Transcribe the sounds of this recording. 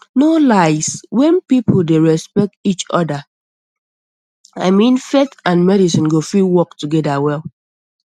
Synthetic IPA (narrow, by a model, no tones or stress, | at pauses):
nolaɪswɛ̃npipl̩ˠdeɹɛspɛk̚tit͡ʃɔ̰da | aɪmĩnfetãnmɛɾisĩnɡofiwɔk̚tuɡɛdawɛl